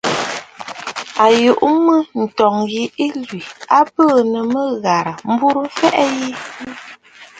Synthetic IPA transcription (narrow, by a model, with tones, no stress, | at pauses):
a˨ju˨ʔmə˦n̩˨tɔ˨ŋɣi˦ʔi˦lɥi˨a˦pəː˦˨nə˨mə˦ɣa˨ɾə˨m̩˦bu˦ɾə˦fɛ˦ʔɛ˦ji˦